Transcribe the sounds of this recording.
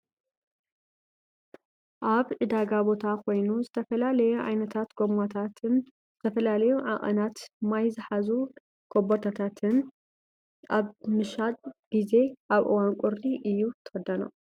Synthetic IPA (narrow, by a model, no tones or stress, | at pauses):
ʔaβʔɨd̪aɡabo̞t̪ʰakʰo̞jnuzɨt̪ʰɐfɐlalɐjuʕa̰jnɐt̪ʰat̪ɡomat̪ʰat̪ʰn | z̥ɨt̪ʰɐfɐlalɐjuʕaʔʼɐ̰nat̪majzɨħazu | kʰobot̪ʰat̪ʰat̪ʰɨn | ʔaβmɨʃat̪ɡ̥ize̞ʔaβʔɨ̰wankʷʼʊɾiʔɨjːut̪ʰɨ̥ɐd̪ɐno̰